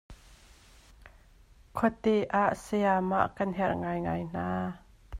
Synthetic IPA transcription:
kʰɔt̪eʔaʔsɛama̰ʔkɐnɦɛrʔŋajŋajn̥aː

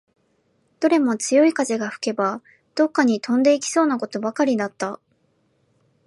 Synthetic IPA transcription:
d̪̥o̞ɾe̞mo̞t͡sɨjo̞ikazeɡaɸɯ̟̥ke̞ba | d̪̥o̞kːaɲ̟it̪ʰõ̞nd̪e̞ikʲi̥so̞ːnako̞t̪o̞bakaɾʲid̪at̪ːa

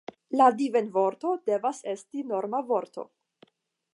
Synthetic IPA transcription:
ladivenvoɾto̞de̞vase̞stino̞ɾmavo̞ɾtʰo̞̰

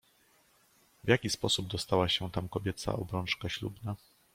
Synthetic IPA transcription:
vʲjakʲispɔsub̚d̪ɔst̪awaɕɛt̪amkɔbʲjɛt̪sa̰ɔbɾɔnt͡ʂkaɕlubna

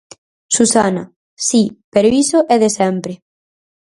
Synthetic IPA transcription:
susanɐ̰ | sipeɾoisoʔɛðesɛmpɾe

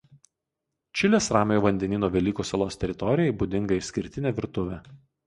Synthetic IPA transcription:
t͡ʃʲɪlʲeːsɾɑːmʲejoːʋɐnʲd̪ʲɛnʲiːnoːʋʲɛlʲiːkuːsɐlˠoːst̪ʲɛɾʲɪt̪ɔɾʲɪjɛɪbud̪ʲɪŋɡɐɪsʲkʲɪɾʲt̪ʲɪnʲeːʋʲɪɾt̪ʊʋʲɛ

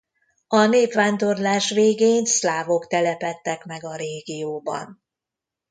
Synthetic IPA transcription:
ɒneːpʋaːnd̪o̞rlaːʃʋeːɡeːnslaːvo̞kt̪ɛlɛpɛt̪ːɛkmɛɡɒɾeːɡijoːbɒ̰n

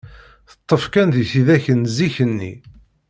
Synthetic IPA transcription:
θə̥t̪ˤːəfkænðiθiðæçənziçənːḭ

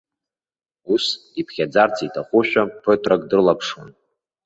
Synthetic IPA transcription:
usipʰχʲad͡zart͡sʰitʰaχʷʊʃᶣapʰøtʰʼrakʼdɨrlapʰʂon

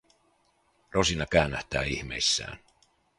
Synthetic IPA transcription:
ro̞sinɑkæynːæht̪æːiçme̞̰isːæ̰ːn

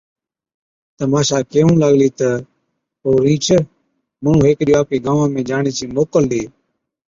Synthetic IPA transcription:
t̪əmaːʃaːkeːũːləɠliːt̪ə | poːɾĩːt͡ʃʰə | məɳ̤ũːɦeːkɗijːaːp̚keːɡãːʋãːmẽːd͡ʒaːɳeːt͡ʃiːmoːkəlɗeː

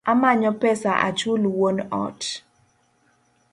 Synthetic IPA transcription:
amaɲɔpɛsaʔa̰t͡ʃulwonɔ̰t

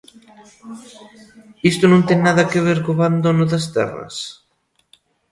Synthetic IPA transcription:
ist̪onõnt̪eŋnaðɐkeβ̞eɾɣoβand̪onoðɐst̪ɛ̰rɐ̰s

